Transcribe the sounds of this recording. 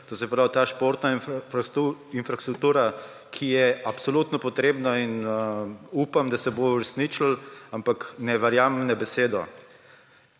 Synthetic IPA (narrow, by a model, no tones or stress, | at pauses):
t̪oːsɛpɾaːwt̪aːʃpoɾt̪na | infɾast̪ɾuk̚t̪uːɾa | kʰijɛapsɔlut̪nɔpɔt̪ɾeːbnain | upamd̪asɛbouɾɛsniːt͡ʃl̩ampaknɛʋɛɾjaːmnɛbɛseːd̪ɔ̰